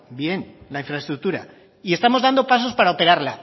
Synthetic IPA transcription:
bje̞nlaĩɱfɾaest̪ɾuk̚t̪uɾa̰ | ie̞st̪amo̞zðand̪o̞pas̬o̞spaɾaope̞ɾaɾla

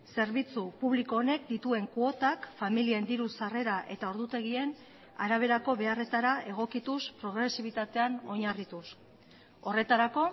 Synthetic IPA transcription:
se̞ɾβit͡supuβliko̞ːne̞k̚d̪it̪ue̞ŋkuo̞t̪akfamiliend̪iɾusare̞ɾaʔe̞t̪ao̞ɾðut̪e̞ɣ̞ie̞n | aɾaβ̞e̞ɾako̞βe̞are̞t̪aɾae̞ɣ̞o̞kit̪uspɾo̞ɣɾe̞siβ̞it̪at̪e̞ano̞ɲarit̪us | o̞re̞t̪aɾako̞

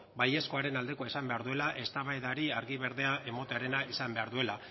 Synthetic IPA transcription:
baje̞sko̞aɾe̞nald̪e̞ko̞aisambe̞aɾðue̞laʔe̞st̪aβaeðaɾiaɾɣiβ̞e̞ɾðe̞aʔe̞mo̞t̪eaɾe̞naisambe̞aɾðue̞la

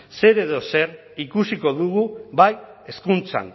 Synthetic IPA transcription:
se̞ɾe̞ðo̞se̞ɾ | ikusiko̞ðuɣuβaje̞skunt͡sa̰n

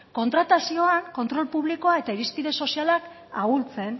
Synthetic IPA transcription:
ko̞nt̪ɾat̪asio̞aŋko̞nt̪ɾo̞lpuβliko̞ae̞t̪aiɾispiðe̞so̞sialak | ault͡se̞n

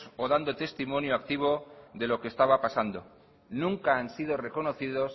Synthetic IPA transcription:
soðand̪ot̪e̞st̪imõ̞njoak̚t̪iβ̞o̞ðe̞lo̞kest̪aβapasand̪o̞ | nũŋkaansið̞o̞re̞ko̞noθið̞o̞s

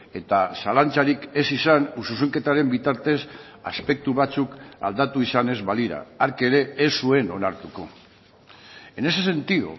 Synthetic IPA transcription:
e̞t̪asalant͡saɾike̞sisanusus̬eŋke̞t̪aɾe̞mbit̪aɾt̪e̞s | a̰spe̞k̚t̪uβat͡suka̰ld̪at̪uisane̞zβaliɾa̰aɾke̞ɾe̞ːsue̞no̞naɾt̪uko̞ | e̞ne̞se̞se̞nt̪iðṵ

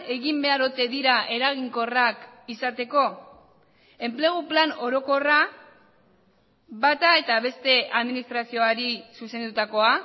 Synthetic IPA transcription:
e̞ɣimbe̞aɾo̞t̪e̞ðiɾaʔe̞ɾaɣ̞iŋko̞rakisat̪e̞ko̞ | e̞mple̞ɣ̞uplano̞ɾo̞ko̞ra | βat̪ae̞t̪aβ̞e̞st̪e̞aðminist̪ɾasio̞aɾisuse̞nd̪ut̪ako̞a

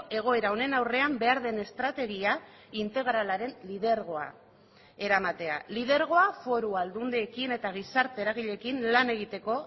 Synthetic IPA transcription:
e̞ɣ̞o̞e̞ɾao̞ne̞nawre̞ambe̞aɾðe̞ne̞st̪ɾat̪e̞ɣ̞ia | int̪e̞ɣ̞ɾalaɾe̞nlið̞e̞ɾɣ̞o̞a̰ | e̞ɾamat̪e̞a̰liðe̞ɾɣ̞o̞afo̞ɾuald̪und̪eːkine̞t̪aɣ̞isaɾt̪eeɾaɣ̞iʎe̞kinlane̞ɣ̞it̪e̞ko̞

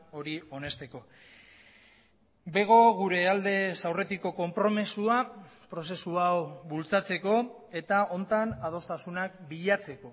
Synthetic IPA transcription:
o̞ɾio̞ne̞st̪e̞ko̞ | be̞ɣ̞o̞ɣuɾe̞ald̪e̞sawre̞t̪iko̞ko̞mpɾo̞mesuapɾo̞s̬e̞suawβult͡sat͡se̞ko̞ | e̞t̪ao̞nt̪anað̞o̞st̪asunak̚biʎat͡se̞ko̞

